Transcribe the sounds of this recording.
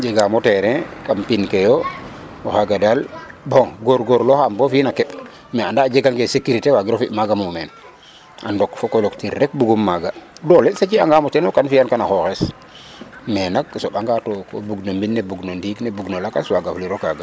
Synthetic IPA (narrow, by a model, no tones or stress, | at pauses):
d͡ʒeɡamoteɾɛkampinkejo | oxaɡadalboŋɡoɾɡoɾloxambofiːnakɛp | mɛandad͡ʒeɡaŋɡesekuɾitewaɡiɾofiʔmaɡamumɛn | ʔa̰ndokfokoloktiɾɾɛk̚buɡumːaɡadoleset͡ʃiaŋɡamotɛnokanfijankanaxoxes | mɛnak̚soɓaŋɡatoko̰buɡnombinːebuɡnondiknebuɡnolakaswaɡafliɾokaɡa